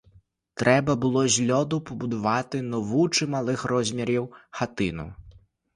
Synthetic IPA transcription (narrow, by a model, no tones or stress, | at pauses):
t̪ɾʔɛbɐbɨlˠɔzʲlʲɔd̪upɐbud̪avat̪ɨnɔvut͡ʂɨmalˠɨxrɔzʲmʲɛɾʲiwxat̪ɨnṵ